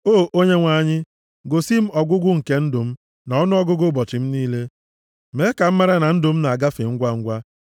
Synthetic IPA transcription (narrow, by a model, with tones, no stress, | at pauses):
oː˦ʔo˦ɲe˦ŋʷa˦ɲɪ˦ | ɡo˨si˦m̩˦ɔ˨ɡʊ˦ɡʷʊ˦ŋ̩˨ke˦n̩˦dʊ˨m̩˦ | na˨ɔ˦nʊ˦ɔ˦ɡʊ˦ɡʊ˦bɔ˨t͡ʃɪ˨m̩˦niː˦le˦ | me˨˦ka˨m̩˦ma˦ɾa˦na˨n̩˦dʊ˨m̩˦na˨a˨ɡa˦fɪ˨ŋ̩˦ɡʷa˦ŋ̩˦ɡʷa˦